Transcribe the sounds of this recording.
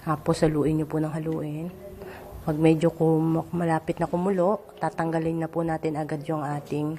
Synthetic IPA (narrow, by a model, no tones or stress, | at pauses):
aːposhɐluːʔɪnɲopʊnɐŋɦɐluːʔɪn | pɐɡ̚mɛːd͡ʒokomɐmɐlaːpɪt̪̚nɐkʊmʊloʔt̪aːt̪ɐŋɡɐlɪnːɐpʊnaːt̪ɪnɐɡad̪jʊŋʔaːt̪ɪŋ